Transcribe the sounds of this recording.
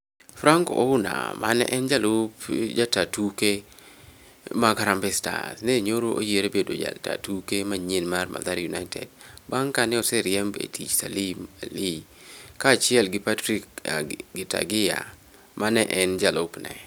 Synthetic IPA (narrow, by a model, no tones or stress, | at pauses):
fɾaŋkoʔoʊna̰ma̰nɛ̰ʔɛnd͡ʒalopd͡ʒatatuke | maɡaɾambɛsta̰sneɲoɾoʔo̰jeɾebedod͡ʒa̰ta̰tukemaɲenmarmʔa̰d̪aɾjunajtɛ̰dbaŋkanɛɔsɛɾjɛmbḛtʰḭt͡ʃsalimali | kaːt͡ʃjɛlɡɪpatɾikɡɪta̰ɡɪja̰ | mʔanɛʔɛnd͡ʒalopnɛ̰